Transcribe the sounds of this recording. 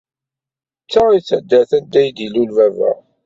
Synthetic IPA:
t͡sːait͡sːəd̪ːæθænd̪æjd̪ilulvævæ̰

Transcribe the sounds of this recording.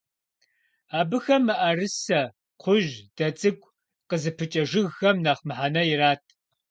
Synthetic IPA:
aːbɨxɐmːɨʔɐrɨsɐ | qʷʰʊʒd̥ɐt͡sʼɨɡʷʼ | qəzɨpʰɨt͡ʃʼɐʒɨɣxɐmnaːχmɨħanɐjɪraːtʰ

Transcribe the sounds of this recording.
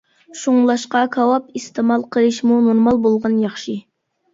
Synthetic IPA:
ʃuŋlˠɑʃqɑkʰɑwɑp̚ist̪ɨmɑlˠqʰəlˠɨʃmunoɾmɑlˠbolˠʁɑnjɑχʃi

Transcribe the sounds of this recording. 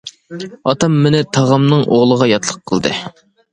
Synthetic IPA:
ɑt̪ɑmːɪnɪt̪ʰɑʁɑmnɨŋʔoʁlˠəʁɑjɑt̪lˠəqʰːəlˠd̪ɨ

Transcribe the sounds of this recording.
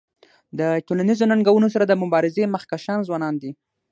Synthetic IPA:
d̪əʈolanizonaŋɡawunos̬aɾad̪əmʊbɑɾɪzeməxkaʃɑnzwɑnɑnd̪i

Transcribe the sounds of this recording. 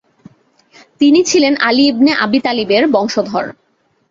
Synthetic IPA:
t̪init͡ɕʰilenaliibneʔa̰bit̪alibeɾbɔŋʃod̪ʱɔ̰ɾ

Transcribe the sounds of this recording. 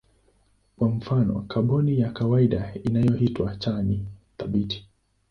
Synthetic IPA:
kwam̩fanɔ̰kʰaɓɔnijakawaiɗainajɔhitwat͡ʃaniθaɓitʰi̥

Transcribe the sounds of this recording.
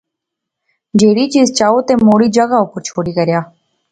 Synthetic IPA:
d͡ʒeːɾiːt͡ʃiːzt͡ʃaːoːt̪eːmoːɽiːd͡ʒəɡaʊpəɾt͡ʃʰoːɽiːkəɾjaː

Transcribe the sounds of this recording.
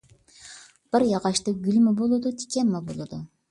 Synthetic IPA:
b̥ɪɾjɑʁɑʃt̪ɯɡʲylʲmabolˠud̪ut̪ʰi̥kʲemːabolˠud̪u

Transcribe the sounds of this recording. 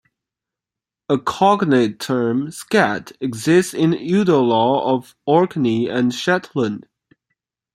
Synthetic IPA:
əkʰɑɡnetʰɜ̃˞mskæɾɨɡzɪstsɪ̃nʉɾəlɔʌv | ɔɹkniɨ̃nʃɛtʰlə̃nd̥

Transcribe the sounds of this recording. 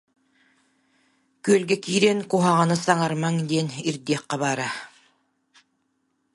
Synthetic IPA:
kyølʲɡɛkiːɾɛnkuɦaʁɑnɯsaŋaɾmaŋd̪eniɾd̪eqːɑβaːɾa

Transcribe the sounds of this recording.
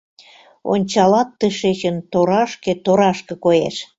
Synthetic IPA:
o̰nʲt͡ɕɑlɑt̪ːə̆ʃet͡ɕənt̪oɾɑʃket̪oɾɑʃkɤ̆kojḛʃ

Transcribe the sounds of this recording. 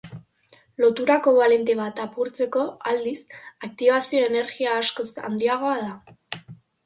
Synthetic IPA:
lo̞t̪uɾako̞βale̞nt̪e̞βat̪apuɾt͡se̞ko̞ald̪isak̚t̪iβasio̞e̞ne̞ɾɣiaːsko̞sa̰nd̪iaɣ̞o̞aða

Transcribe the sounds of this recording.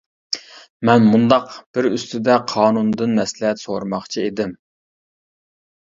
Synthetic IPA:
mɛnmund̪ɑqb̥ɪɾyst̪ɪd̪ɛqʰɑːnund̪ɨnmɛslɪɦɛt̪soɾmɑχt͡ʃʰied̪ɪm

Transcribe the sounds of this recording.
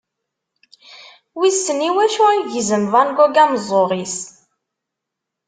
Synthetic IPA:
wisəniwæʃuæʝzəmvænɡɔɡæmzˤːoʁis

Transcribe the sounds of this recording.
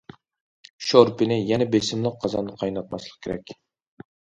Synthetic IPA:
ʃoɾpɪnɪjɛnɛbesɪmlˠəq̚qʰːɑzɑ̰nɨqʰɑjnɑt̪̚mɑslˠəq̚kʰʲeɾɛ̰kʲ

